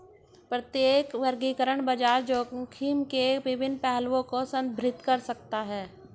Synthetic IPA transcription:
pɾət̪jeːkʋəɾɡiːkəɾəɽ̃bəd͡ʒaːɾd͡ʒoːkʰiːmkeʋɪbɪnːpɛɦlʋõkosə̃nd̪̚bʱɾɪt̪kəɾsək̚t̪aɦɛː

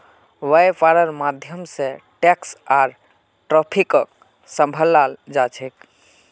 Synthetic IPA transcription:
ʋajpʰaɾəɾmad̪ʱjəmsẽʈɛksaɾ | ʈɾɔpʰikək̚ | sə̃mbʱəlːald͡ʒat͡ʃʰɛk

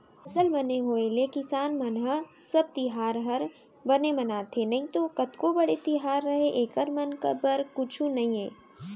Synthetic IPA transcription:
ɐsəlbɐneɦoːelekɪsaːnmɐnɦəsɐb̚t̪ɪɦaːɾɦəɾ | bɐnemɐnaːt̪ʰenɐɦĩt̪okɐt̪kobɐɽet̪iɦaːɾːɐɦeʔeːkəɾmɐnkə̰bəɾkʊt͡ʃʰũnɐɦĩẽː

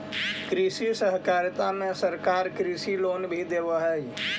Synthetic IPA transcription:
kɾisisəɦkaːɾt̪amẽsəɾkaːɾkɾisiloːnbʱid̪ebəɦɛ

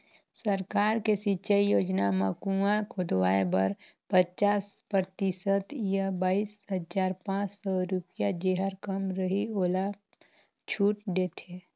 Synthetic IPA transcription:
səɾkaːɾkesit͡ʃəijoːd͡ʒnamakuãkʰod̪waːebə̰ɾ | pət͡ʃaːspɾət̪isət̪jəbaːiːsɦəzaːɾpãːt͡ʃsɔɾupɪjad͡ʒeɦəɾkəmɾəɦioːla | t͡ʃʰuːʈ̚d̪eːt̪ʰeː

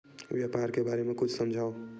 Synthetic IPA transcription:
ʋjapaɾkebaɾemẽkʊt͡ʃʰsəmd͡ʒʱao

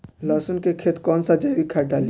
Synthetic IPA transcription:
lɔːsənkekʰeːt̪kɔːnsad͡ʒaːwikʰaːʈɖaːli

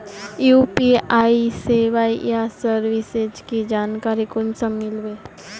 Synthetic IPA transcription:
juːpiaːiseʋaːijasəɾʋised͡ʒkid͡ʒaːnkaːɾikʊnsəmːɪlʋeː

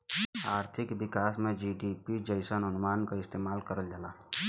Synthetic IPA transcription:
aːɾt̪ʰɪkbɪkaːsmẽd͡ʒiɖipid͡ʒəɪsənɦənʊmaːnkaɪst̪eːmaːlkəɾəld͡ʒalaː

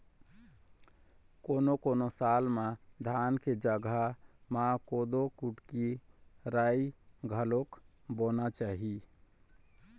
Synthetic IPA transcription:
konokonosalmad̪ʱanked͡ʒəɡʱamãkod̪okuʈkiɾaiɡʱəlok | bonat͡ʃaɦi

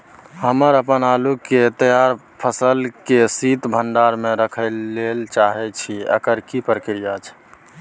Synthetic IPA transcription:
ɦəməɾəpənaluket̪əjaɾ | pʰəsəlkesit̪bʱəɳɖaɾmẽɾəkʰəlːelt͡ʃaɦɛt͡ʃʰiə̰kəɾkipɾəkɾijat͡ʃʰ

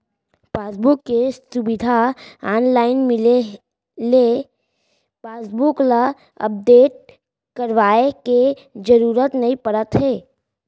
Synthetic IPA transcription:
paːsbʊkːesʊbɪd̪ʱaaːnlaːɪnmɪle | le | paːsbʊkla | ə̰p̚d̪eːʈ̚ | kəɾʋaːeke | d͡ʒəɾuːɾət̪nɐĩpəɽət̪ɦɛː

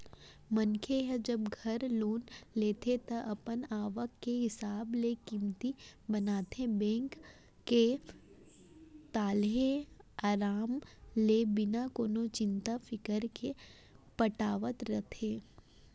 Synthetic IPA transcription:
mənkʰeɦɛd͡ʒəbɡʱɐɾloːnleːt̪ʰet̪ɐʔɐpənaːʋəkːeɦɪsaːblekɪmt̪ibɐnaːt̪ʰebɛ̃ːŋkː | e | t̪aːlɦẽaːɾaːmlebɪnakoːnot͡ʃɪ̃nt̪afɪkəɾke | pəʈaːʋət̪ɾət̪ʰeː

